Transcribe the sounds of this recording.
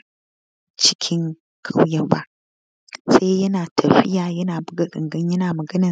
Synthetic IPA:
t͡ʃɪ̥˦kʲʰɪ˦ŋ | kʰa˦wjɐ˦ba̰˦ʔ | se˦jɐ˦naː˨tʰɐ˨ɸɪ˦jaː˨jɐ˦naː˨bʊ˦ɡɐ˨ɗɪ̰˨ŋɡɐ˦ɲjɐ˦naː˨mɐ˨ɡɐ˦nɐ˨

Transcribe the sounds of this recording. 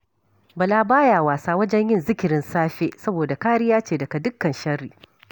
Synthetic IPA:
bɐ˨laː˦baː˦jaː˨waː˨saː˦wɐ˦d͡ʒɛ˦ɲjɪ˦nzɪ˦kʲɪ˨ɾɪ˦nsaː˦ɸeː˦sɐ˦boː˨da˨kaː˦ɽɪ˦jaː˦t͡ʃeː˨dɐ˨ka˨dʊ˦kːɐ˨nʃɐ˦riː˨

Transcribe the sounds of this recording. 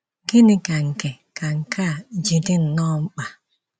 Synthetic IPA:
ɡi˦nɪ˦ka˨ŋ̩˨ke˨ | ka˨ŋ̩˨kʰa˦˨d͡ʒi˨dɪ˦n̩˨nɔ˦ŋ͡m̩˦k͡pa˨

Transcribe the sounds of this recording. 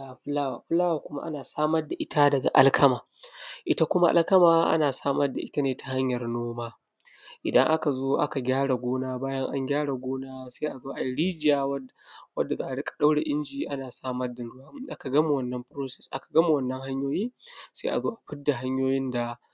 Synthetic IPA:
a˨ɸɪ˦laː˦waː˨ɸɪ˦laː˦waː˨kʷʊ˦ma̰˦ʔa̰˦naː˨saː˦mɐ˦rda˨ʔɪ˦ta˦dɐ˨ɡa̰˨ʔa̰˦lkʰɐ˦maː˨ | ʔɪ˦ta˦kʷʊ˦ma˦ʔa̰˦lkɐ˦maː˨˦ʔa̰˦naː˨saː˦mɐ˦rda˨ʔɪ˦ta˦neː˨ta˨ɦa˦ɲjɐ˨rnoː˦maː˦ | ʔɪ˨dɐ˦ŋʔa˦ka˨zoː˦ʔa˦ka˨ɡʲaː˦ɽa˨ɡʷoː˦naː˦baː˦jɐ˦ŋʔa̰˦ŋɡʲaː˦ɽa˨ɡʷoː˦naː˦sa˦ʔa˨zoː˦ʔa˨ji˦ɽiː˦d͡ʒɪ˦˨jaː˨w | wɐ˦dːa˨zaː˦ʔa˨ɽɪ˦kʼḁ˨ɗa˦wɽe˨ʔɪ˦nd͡ʒiː˨˦ʔa˦naː˨saː˦mɐ˦rda˨nɾʊ˦wa˦m˦ʔa˦ka˨ɡɐ˦m˨wɐ˦nːɐ˦mpɾoː˦sɛ˨sʔa̰˦kḁ˨ɡɐ˦mu˨wɐ˦˨nːɐ˦ŋha˦ɲjoː˦jiː˦sa˦ʔa̰˨zoː˦ʔa˨ɸɪ˦dːa˨ɦa˦ɲjoː˦jɪ˦nda˨

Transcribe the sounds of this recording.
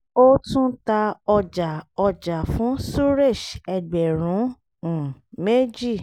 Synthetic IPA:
o˦tũ˦ta˧ɔ˧d͡ʒa˨ɔ˧d͡ʒa˨fũ˨˦su˦ɾe˦˨ʃɛ˨ɡ͡bɛ˨ɾ̃ũ˨˦˨ | me˦d͡ʒi˦˨

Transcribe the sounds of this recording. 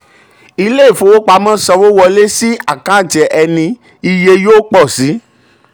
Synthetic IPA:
i˧le˦i˦˨fõ˧wo˦k͡pa˧˦mã˦sɔ˧wo˦wɔ˧le˦si˦a˦˨kã˨˦˨d͡ʒɛ˨ʔɛ˧nĩ˧ | i˧je˧joː˦k͡pɔ˦˨si˨˦

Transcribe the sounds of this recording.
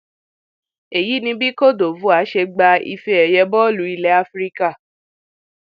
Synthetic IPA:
e˨ji˨˦nĩ˧bi˦ko˦˨do˨vu˨˦a˨˦ʃe˧ɡ͡ba˧ḭ˧fe˧ɛ˨jɛ˧bɔ˦˨lu˨˦i˧lɛ˨˦a˧˦fɾi˦ka˦˨

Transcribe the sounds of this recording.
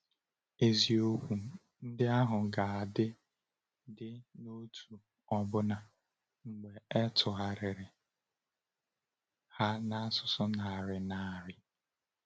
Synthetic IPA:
e˨zi˨o˦kʷu˨ | n̩˦dɪ˦a˦ɦʊ˨ɡa˨a˨dɪ˦ | dɪ˦no˦tʰu˨ | ɔ˨bʊ˦na˨ | ŋ͡m̩˨ɡ͡be˨ɛ˦tʰʊ˨ɦa˨ɾɪ˨ɾɪ˨ | ha˦na˦sʊ˦sʊ˦na˨a˨ɾɪ˨na˨a˨ɾɪ˦

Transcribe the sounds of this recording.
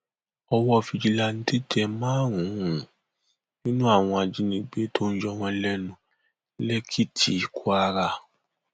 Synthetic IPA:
ɔ˧wɔ˦˧˨fi˧d͡ʒi˧la˧ñ̩˦te˦d͡ʒɛ˧mãː˦ɾũ˨˦ũ˨ | nĩ˦nũ˦a˦˨w̃ɔ̃˧a˨d͡ʒi˧˦nĩ˧ɡ͡be˨˦tʰo˦n̩˦d͡ʒɔ˧˨wɔ̃˧lɛ˦nũ˧˦ | lɛ˦kʰi˦tʰi˨kʰu˦a˧ɾa˧˨

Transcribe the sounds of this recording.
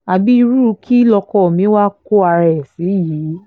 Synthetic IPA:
a˨bi˦i˧ɾu˦˧kʰi˦lɔ˧kɔ˦˨mĩ˨˦wa˦ko˦a˧ɾɛ˨si˨˦jiː˨˦

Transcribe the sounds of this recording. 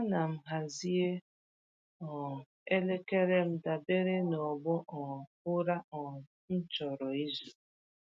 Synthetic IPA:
a˦na˨m̩˦ɦa˨zi˦e˦ | ɔ˨ | e˦le˦ke˦ɾe˦m̩˦da˨be˦ɾe˦nɔ˨ɡ͡bɔ˦ʔɔ˨ | ʊ˦ɾa˦ɔ˨ | n̩˦t͡ʃɔ˨ɾɔ˨i˦zu˨

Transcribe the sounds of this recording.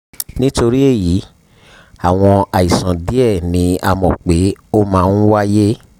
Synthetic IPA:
nĩ˦to˧ɾi˦e˦˨ji˨˦ | a˨w̃ɔ̃˧a˨i˨sã˨di˨˦ɛ˦˨nĩ˨˦a˧mɔ̃˨k͡pe˨˦o˦mãː˦˧n̩˦wa˦je˦

